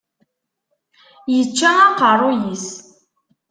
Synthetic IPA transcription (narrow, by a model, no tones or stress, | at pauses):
jət͡ʃːæɑqərˤojis